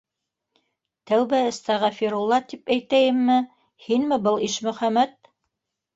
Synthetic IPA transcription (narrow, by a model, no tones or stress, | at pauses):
t̪æwβæɘ̆st̪ɑʁɑfiɾulˠːɑt̪ipæjt̪æjɘ̆mːɘ | hinmɘbɤlˠiʃmɵ̆χæmæt̪̚